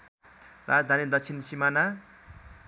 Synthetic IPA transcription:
rad͡zd̪ʱanid̪ʌksʰinsimana

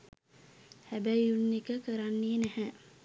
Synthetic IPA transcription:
hæbæjunːikəkəɾanːiːnæhæ

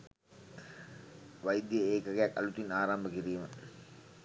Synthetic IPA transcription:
ʋajd̪jəeːkəɡeakːɐ̰lut̪inaːɾambəkiɾiːmə

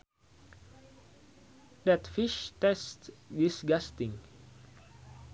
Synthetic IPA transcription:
d̪ɛt̪fɪʃt̪ɛst̪jɪsɡæst̪ɪŋ

